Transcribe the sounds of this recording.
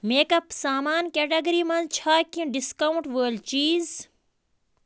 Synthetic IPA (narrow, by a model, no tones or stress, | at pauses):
meːkɐpsaːmaːnkeːʈeɡɐɾiːmɐnt͡ʃʰaːkĩɖɪskɐwɳʈʋəːlt͡ʃiːz